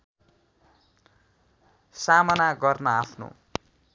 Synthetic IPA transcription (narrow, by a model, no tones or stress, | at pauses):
samʌnaɡʌrnʌapʰno̰